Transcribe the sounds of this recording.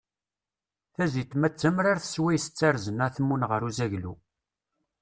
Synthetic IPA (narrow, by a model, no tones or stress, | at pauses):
θæzit̪mæt͡sːəmɾaɾθə̥swæjsə̥t͡sːaɾzənaθmːunʁəɾuzæʝlṵ